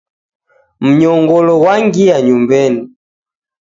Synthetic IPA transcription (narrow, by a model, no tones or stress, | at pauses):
m̩ɲɔŋɡɔlɔwaŋɡiaɲumbɛni